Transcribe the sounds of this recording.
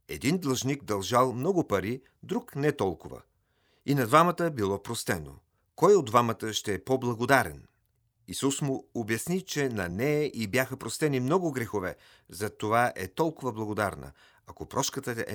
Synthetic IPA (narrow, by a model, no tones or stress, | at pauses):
ɛ̰d̪ind̪lˠɐʒnikd̪ɐlˠʒalˠmnɔɡʊpɐɾi | d̪ɾuknɛt̪ɔlˠkʊvə̰ | inɐd̪vamət̪əbilˠɔpɾost̪ɛno̰ | kɔjod̪vamət̪əʃt̪ɛɛpoblˠɐɡod̪aɾɛ̰n | isusmʊobjɐsnit͡ʃɛnɐnɛɛʔibjaxəpɾost̪ɛnimnɔɡʊɡɾɛxovɛ | zɐt̪ovaʔɛt̪ɔlˠkʊvəblˠɐɡod̪aɾnə̰ | ɐkopɾɔʃkət̪əʔɛ̰